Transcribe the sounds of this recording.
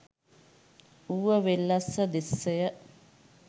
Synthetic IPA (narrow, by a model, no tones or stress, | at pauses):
uʋəʋelːɐsəd̪esːejə